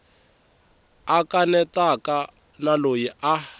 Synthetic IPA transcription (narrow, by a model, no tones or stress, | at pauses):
akanɛtaka | nalojiʔa